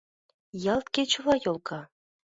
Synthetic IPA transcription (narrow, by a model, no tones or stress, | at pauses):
jɑlt̪kʲet͡ɕŭvɑjolˠkɑ